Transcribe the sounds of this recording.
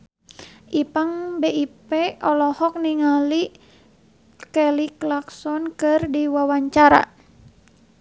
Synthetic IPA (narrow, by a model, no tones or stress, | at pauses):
ʔipaŋbeipɛɔlɔhɔk̚niŋali | kɛliklaksɔnkɨrdiwawaɲt͡ʃaɾa̰